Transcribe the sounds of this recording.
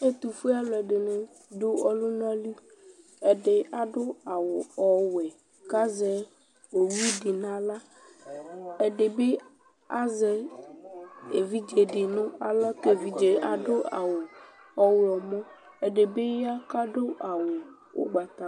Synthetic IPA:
e˦t̪u˨fe˦a˦lɛ˨ɖe˨nẽ˨ | ɖo˦ɔ˦lu˦n˦ɔ̃˦li˦ | ɛ˨ɖe˨a˨ɖo˦a˨wo˨ɔ˨wɛ˨ | ka˦zɛ˨ | wo˨wi˦ɖe˨nã˨la˦ | e˨ɖe˨be˦ | a̰˦zɛ˨ | e˨vi˦d͡ʒe˨ɖe˨nũ˦a˨la˦t̪e˨vi˦d͡ʒe˨a˨ɖo˦a̰˨wo˨ | ɔ˨we˨ɔ˨mɔ̃˦ | e˨ɖe˨be˦ja˦ka˦ɖo˦ʔa˨wo˨ | wo̰˦ɡ͡ba˨t̪a˦˨

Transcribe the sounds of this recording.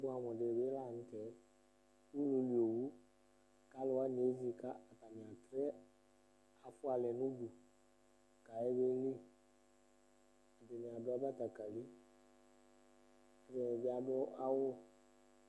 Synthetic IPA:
bʊ˦a˨mɔ̃˨dɪ˨be˦la˦˨n̩˦tɛ˨˦ | u˦lu˨li˨o˨wu˦ | ka˨˦lʊ˨wa˦n˨e˨˦zi˦˨ka˦a˨ta˨nɪ̃˨a˨tɾɛ˦ | a˨fʊ˦a˨lɛ˨nʊ̃˦du˨ | ka˨ɛ˦be˦li˦ | a˨dɪ˨nĩ˨a˨bʊ˦a˦ba˦ta˨ka˨li˦ | ɛ˨dɛ˨bɪ˨˦a˨dɔ˦ʔa˦wʊ˦

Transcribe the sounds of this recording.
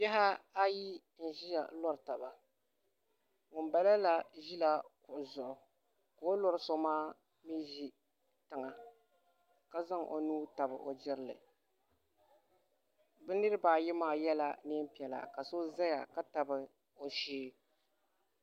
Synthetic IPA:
jɛ˦ɦa˦a˦ji˦ | n̩˨ʒi˦ja̰˨˦lɔ˦ɾta˨ba˨ | ŋʊ˨mba˦la˦la˨ʒi˦la˨kʊ˨ʔʊ˨zʊ˨ʔʊ˨ | ka˨o˦lɔ˦ɾɨ˦so˦maː˦ | mi˦ʒi˦ | tɨ˨ŋa˨ | ka˦za˦ŋʔo̰˨nuː˦ta˨bɨ̰˨ʔo˨d͡ʒɪ˦ɾɨ˦lɨ̰˨ | bɨ˦nɨ˦ɾɨ˦baː˨jɪ˦maː˦jɛ˦la˦nɪ˦m˦pi˨ɛ˨la̰˨ka˨so˦za˦ja˨ka˦ta˨bɨ˦ | o˨ʃiː˦

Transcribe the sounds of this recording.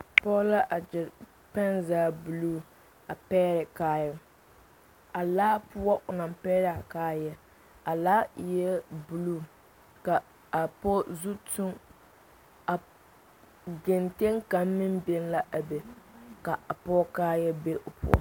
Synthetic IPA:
pɔ˦la˦ʔa˨d͡ʒɪ˨ɾ | pɛ˦nzaː˦bu˨luː˦ | a˨pɛː˦ɾɪ˨kaː˦jɛ˨ | a˨laː˦pʊ˦ɔ˦ʔʊ˨na˨mpɛː˦ɾɪ˨a˨kaː˦jɛ˦ | a˨laː˦jɛ˦bu˨luː˦˨ | ka˨ | a˨pɔ˦zu˦tu˦ŋ | a˨ | ɡɪ˨nte˦ŋka˨mː˦ɪ˦nbɪ˦n˦la˦ʔa˨be˨ka˨a˨pɔ˦kaː˦jɛ˦be˦ʔʊ˨pʰʊ̰˦˨ɔ̰˨

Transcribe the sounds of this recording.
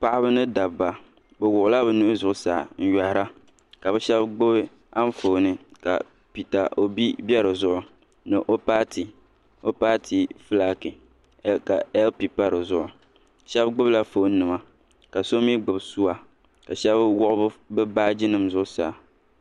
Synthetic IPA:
pa˦ʔɪ˦bɨ˦nɨ˦da˨bbːa˨ | bɛ˨wʊ˨ʔʊ˦la˦bɛ˨nu˦ʊ˦zʊ˨ʔʊ˦sa̰ː˨n̩˦ja˨hɾa˦ | ka˨bɛ˦ʃɛ˦bɡ͡bɨ˦bɨ˦ | a˦n˦fo˨nɨ˨ka̰˨ | pi˨ta˨ʔo˨bi˦bɛ˦ɾɨ˨zʊ˦ʔʊ˨ | nɨ˨ʔo˦paː˦ti˨ | o˦paː˦tʰi˨fɨ˦la˦kɨ˨˦ | ka˨ɛ˦lpi˨pa˦ɾɨ˨zʊ˦ʔʊ˨ | ʃɛ˦bɡ͡bʊ˦bla˦fo˨˦n̩˦nːɨ˨ma˨ | ka˨so˦mi˦ɡ͡bɨ˨bsu˦wa˨ | ka˨ʃɛ˦bwʊ˦ʔʊ˦bɨ˦bɨ˦baː˦d͡ʒi˦nɨ˨mzʊ˦ʔʊ˦sa̰˨

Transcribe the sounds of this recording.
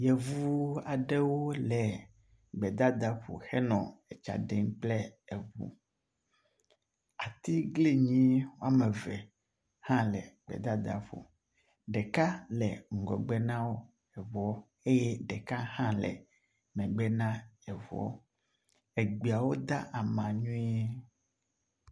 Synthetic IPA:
jɛ˨vuu˦a˨ɖe˦wo˦lɛ˨ | ɡ͡bɛ˨d̪a˦d̪a˦ɸo̰˨xɛ˦nɔ̃˨ɛ˨t͡ʃa̰˨ɖɛ˨ŋk͡plɛ˦ɛ˨vṵ˦ | a˨t̪i˦ɡli˦ɲĩ˦wo˦a˨mɛ̃˨vɛ˨ | hã˦lɛ̰˨ɡ͡bɛ̰˨d̪a˦d̪a̰˨ɸo̰˨ | ɖɛ˨ka˦lɛ˨ŋ̩˨ɡɔ˨ɡ͡bɛ˦nã˦wo˦ | ɛ˨vɔ˨˦ | e˦jɛ˦ɖɛ˨ka˦hã˦lɛ̰˨ | mɛ̃˨ɡ͡bɛ˦nã˦ɛ˨vɔ̰˨˦ | ɛ˨ɡ͡bi˨a˨wo˦d̪a˦ʔa˨mã˨ɲũ˦e˦

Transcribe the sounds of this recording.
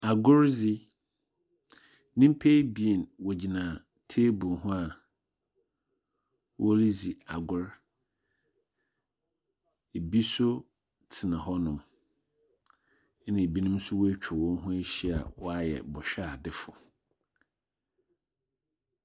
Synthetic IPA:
a˨ɡʊ˦ɾzi˦ | nɪ̃˦m̩˦pʰe˦bi˦e˨nwɔ˨d͡ʑi˨nãː˨ | tʰe˦bũ˨nɦʊ̃˦a˨ | wʔɔ˦li˦zi˨a˨ɡʊ˦ɾ | e˨bi˦sʊ˦ | tʰɪ˨nã˨ɦɔ˦nʊ̃˨m˦ | nɪ̃˨e˨bi˦nʊ̃˦m˦sʊ˦wɔ˦æ˦t͡ɕᶣʰɪ˨wɔ̃˦n˦ɦʊ̃˦e˦ɕi˦a̰˨wɔ˦a˦jɛ̰˨bɔ˨ɕᶣa˦˨dɪ˦fʊ˨

